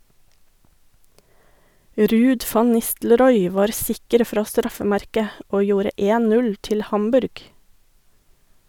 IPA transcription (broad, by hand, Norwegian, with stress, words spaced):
ˈɾʉːd ˈfɑn ˈnɪstlɾɔʏ ˈʋɑːɾ ˈsɪkəɾ ˈfɾɑː ˈstɾɑfəˌmæɾkə ˈoː ˈjuːɾə ˈeːn ˈnʉl ˈtɪl ˈhɑmbʉɾɡ